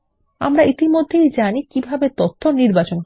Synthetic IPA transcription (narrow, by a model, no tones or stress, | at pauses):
a̰mɾait̪imod̪ʱːejd͡ʑanikibʱabet̪ot̪ʰːoniɾbat͡ɕonɦ